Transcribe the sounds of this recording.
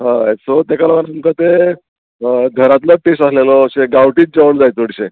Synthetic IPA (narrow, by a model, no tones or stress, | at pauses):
ɦãesot̪ekalamənamkət̪e | ɡʱəɾat̪ləʈesaslelɔːɕeɡawʈiːt̪̚d͡ʑəʋəɳd͡zajt͡soɽɕe